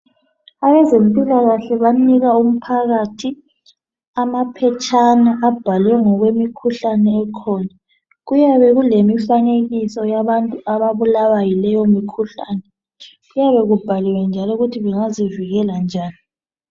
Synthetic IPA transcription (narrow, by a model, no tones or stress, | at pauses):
aβɛzempʼilaɣaɬɛβaniɣaum̩pʰaɣatʰi | amapʰɛt͡ʃʼʰanaʔːb̥ʱalwɛŋɔɣwemikʰuɬanɛːkʰɔːna | ɣujaβɛɣulemifaneɣisɔjaβantʼuaβaβulaβajilɛjomikʰuɬaːnɛ | ɣujaβɛɣub̥ʱalɛwɛnd͡ʒʱalɔuɣutʰiβɛŋaziviɣɛland͡ʒʱaːni